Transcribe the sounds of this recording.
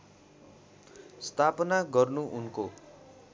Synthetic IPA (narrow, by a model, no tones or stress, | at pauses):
st̪ʰapʌnaɡʌrnuʔunko